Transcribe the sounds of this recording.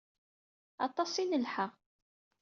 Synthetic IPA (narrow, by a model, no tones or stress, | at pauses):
ɑ̰t̪ˤɑsˤinəlħəʁ